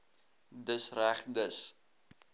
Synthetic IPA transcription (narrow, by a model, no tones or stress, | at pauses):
dəsræχdəs